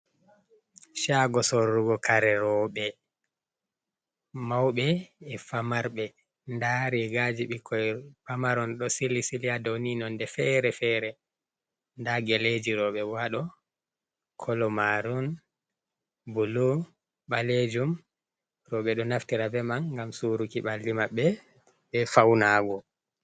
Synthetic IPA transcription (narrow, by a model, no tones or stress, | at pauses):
ʃaɡɔsɔːuɡɔkaɾɛɾɔɓɛ | mawɓɛːfamaɾɓɛ | ndaɾiɡad͡ʒiɓikʰːɔjfamaɾɔnɗɔsilisilijadowninɔndɛfɛɾɛfɛɾɛ | ndaɡɛled͡ʒiɾɔɓɛwaɗɔ | kʰɔlɔmaɾɔn | bulu | ɓaled͡ʒum | rɔɓɛɗɔnaftiɾabɛmanːɡamsuɾukiɓalːimaɓːɛ | ɓɛfawnaːɡɔ